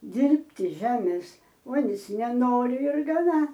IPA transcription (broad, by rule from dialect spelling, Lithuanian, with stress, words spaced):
ˈdʲɪrʲpʲtʲɪ ˈʒʲæːmʲeːs ˈuɔnʲɪs nʲɛˈnoːrʲɪ ɪr ɡɐˈnɐ